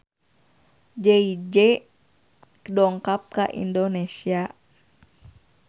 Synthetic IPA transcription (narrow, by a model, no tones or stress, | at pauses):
d͡ʒeid͡ʒɛ | kədɔŋkap̚ka̰ʔḭndonesia